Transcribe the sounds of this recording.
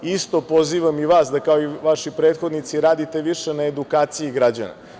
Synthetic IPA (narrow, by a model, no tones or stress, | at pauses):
ist̪o̞po̞ziːʋamiʋaːsd̪akaoiʋaʃipɾe̞ːt̪xo̞d̪nit̪siɾaːd̪it̪e̞ʋiʃe̞naed̪ukaːt̪sijiɡɾad͡ʑa̰na̰